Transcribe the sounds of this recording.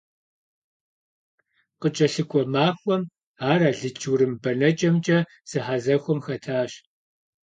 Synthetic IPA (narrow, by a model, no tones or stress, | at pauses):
qət͡ʃʼɐɬɨkʷʼɔmaːxʷɔm | aːraːɮɨt͡ʃʰʼuɾɨmbɐnɐt͡ʃʼɐmt͡ʃʼɐ | z̥ɨħazɐxʷɔmxɐtʰaːɕ